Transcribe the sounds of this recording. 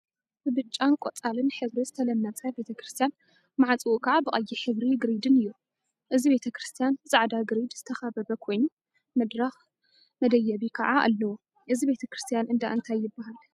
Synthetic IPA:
bɨbɨt͡ʃʼːankʷʼot͡sʼalɨnħɨβɾizɨt̪ʰɐlɐmnat͡sʼajbe̞t̪ʰɐkɾɨst̪ʰijan | maʕat͡sʼɨwukʰɐʕabɨʔʼɐjːiħɨβɾiɡɨɾid̪ɨnɨjːu | ʔɨzibe̞t̪ʰɐkɾɨst̪ʰijanzʼaʕd̪aɡɨɾid̪z̥ɨt̪ʰɐxaβɐbɐkʰo̞jnu | mɐd̪ɾax | mɐd̪ɐjːɐβikʰɐʕaa̰lːɐwo | ʔɨzibe̞t̪ʰɐkɾɨst̪ʰijanɨnd̪aʔɨnt̪ʰajːɪbːaɦal

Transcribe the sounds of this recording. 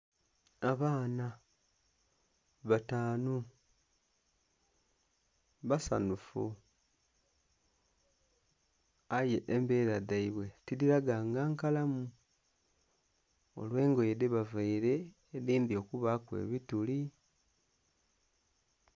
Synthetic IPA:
aβaːna | βataːnu | βasa̰nufṵ | aje̞ʔembe̞ːɾadaiβwe̞tiliɾaɡaːŋɡaːŋkalamu | o̞̰lwe̞ːŋɡo̞jedeβavaiɾe̞ː | ðiːnd̪io̞kuβakwe̞̰ːβituli

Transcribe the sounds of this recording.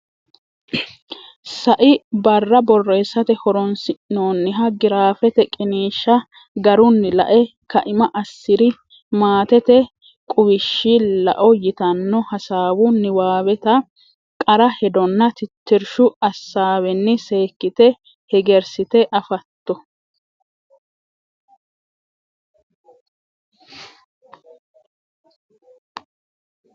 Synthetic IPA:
sɐʔɪbɐrːɐbɔrːe̞ːsɐt̪ɛhɔɾɔnsɪnoːnːɪɦɐɡɪɾaːfɛt̪ɛkʼɪniːʃːɐ | ɡɐɾʊnːɪlɐ̰ʔɛ | kɐʔɪmɐʔɐsːɪɾɪ | maːt̪ɛt̪ɛ | kʼʊwɪʃːɪlɐ̰ʔɔjɪt̪ɐnːɔhɐsaːwʊnːɪwaːwɛt̪ɐ | kʼɐɾɐhɛd̪ɔnːɐt̪ɪt̪ːɪɾʃʊɐsːaːwɛnːɪse̞ːkːɪt̪ɛ | hɛɡɛɾsɪt̪ɛʔɐfɐt̪ːɔ

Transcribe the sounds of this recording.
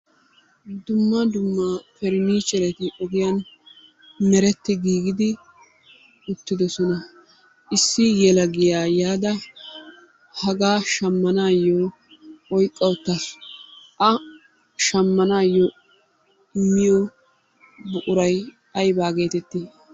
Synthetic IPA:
d̪ʊmːɐd̪ʊmːafɛɾɪniːt͡ʃːɛɾɛt̪ɪʔɔɡɪjan | mɛɾɛt̪ːɪɡiːɡɪd̪ɪ | ʊt̪ːɪd̪ɔsɔnɐ | ʔɪsːɪjɛlɐɡɪjaːjaːd̪ɐ | hɐɡaːʃɐmːɐnaːjːoː | ɔjkʼːɐwʊt̪ːɐsʔɐ | ʃɐmːɐnaːjːo | ɪmːɪjɔ | bʊʔʊɾɐj | ɐjbaːɡe̞ːt̪ɛt̪ːiː

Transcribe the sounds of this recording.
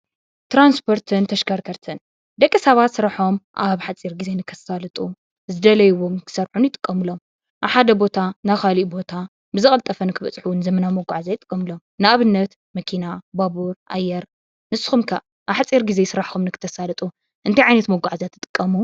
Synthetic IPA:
t̪ɾanspʰo̞ɾt̪ʰɨnt̪ʰɐʃkʰɐɾkʰɐɾt̪ʰɨn | d̪ɐkʼːɨsɐβat̪sɨɾaħo̞mʔaβħat͡sʼiɾɡize̞nɨkʰɐsalɨt̪ʼu | zɨd̪ɐlɐjɨwomkʰɨ̥sɐɾħunɪt̪ʼɨ̥kʼːɐmɨlo̞m | ʔaβħad̪ɐbo̞t̪ʰanaxaliʔbo̞t̪ʰa | bɨzɨɐlt̪ʼɐfɐnɨkʰɨβɐt͡sʼħunɨzɐmɐnamoɡʷaʕzajɪt̪ʼɨkʼːɐmɨlo̞mnɨʔaβɨnːɐt̪ | mɐkʰinabaβuɾʔa̰jːɛɾ | nɨsɨxumkʰɐʔ | ʔaβħat͡sʼiɾɡize̞jsɨɾaħxumnɨkʰɨ̥t̪ʰːɐsalɐt̪ʼu | ʔɨnt̪ʰajʕajnɐt̪moɡʷaʕzjat̪ʰːɨt̪ʼɨ̥kʼːɐmu

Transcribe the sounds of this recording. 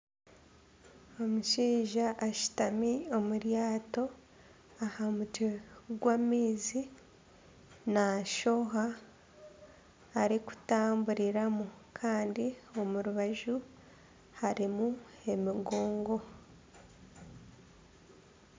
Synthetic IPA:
o̞muʃiːʒaʔːʃi̥tamio̞muɾjaːto̞ | ahamuteɡwamiːzi | naʃo̞ɦa | ɾiku̥taːmbuɾiɾamu | kʰaːndio̞muɾuβaʒu | haɾimu | e̞miɡo̞ːŋɡo̞

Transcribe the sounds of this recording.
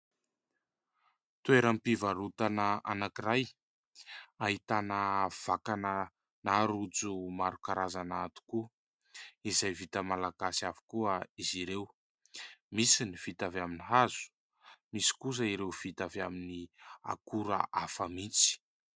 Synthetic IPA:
t̪ueɾəmpivaɾut̪anəanakiɾaj | aɦit̪anəv̥akanə | naɾud͡zumaɾukaɾazanaat̪u̥ku | izajvit̪əmalaɡ̥asiavu̥kuəiziɾew | misiniv̥it̪avaminiɦazu̥ | misi̥kus̬əiɾewv̥it̪avaminia̰kuɾə̰ʔafəmit͡si̥

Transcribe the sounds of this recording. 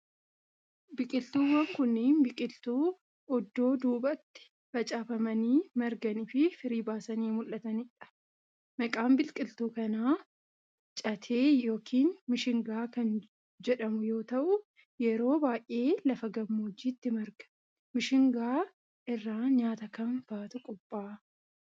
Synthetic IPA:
bɪkʼɪlt̪uːwɐŋkʊnːiːnbɪkʼɪlt̪uː | ɔd̪ːo̞ːd̪uːbɐt̪ːɪ̥ | bɐt͡ʃʼaːfɐmɐniːmɐɾɡɐnɪfɪfɪɾiːbaːsɐniːmʊlːɐt̪ɐnɪᶑɐ̥ | mɐkʼaːmbɪlkʼɪlt̪uːkɐnaː | t͡ʃʼɐt̪ʰeːjo̞ːkʰiːnmɪʃɪŋɡaːkɐn | d͡ʒɛᶑɐmʊjo̞ːt̪ɐʔʊ | jɛɾo̞ːbaːjʔe̞ːlɐfɐɡɐmːoːd͡ʒiːt̪ːɪmɐɾɡɐ̥ | mɪʃɪŋɡaː | ʔɪrːaːɲaːt̪ɐkɐmb̥aːt̪ʊkʼɔpʼːaː

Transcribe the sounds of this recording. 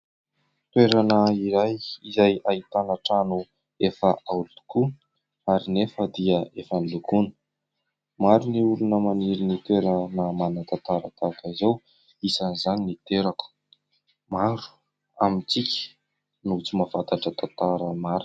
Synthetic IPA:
t̪weɾanəiɾajizajait̪anaʈ͡ʂanu | efəʔaulut̪u̥ku | aɾinefəd̪iəefənlukunə̥ | maɾuniulunəmaniɾinit̪eɾənəmanət̪at̪aɾat̪akaizow | isanizaninit̪eɾaku̥ | maɾu̥ | amit͡sikʲə̥ | nut͡simavat̪aʈ͡ʂət̪at̪aɾəmaɾi

